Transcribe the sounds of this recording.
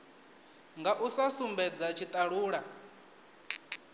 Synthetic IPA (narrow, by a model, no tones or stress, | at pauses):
ŋɡaʔusasumbɛd͡zat͡ʃʰit̪ʼaɺuːɺa